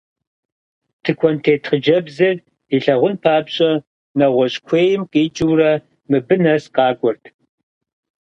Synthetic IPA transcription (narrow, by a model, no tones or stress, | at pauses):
tʰɨkʷʰɔntʰeːtʰχəd͡ʒɐbzɨr | iɬɐʁʷʊnpʰaːbɕʼɐ | nɐʁʷɔɕʼkʷʰeːjɪmqʼiːt͡ʃʼɪwrɐ | mɨbɨnɐsqɑːɡʷʼɔrtʰ